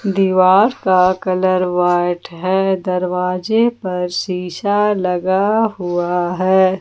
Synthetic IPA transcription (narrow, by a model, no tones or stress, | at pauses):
d̪iʋaːɾkakɐləɾʋaːʈɦɛːd̪ɐɾʋaːd͡ʒepɐɾʃiːʃalɐɡaɦuaɦɛː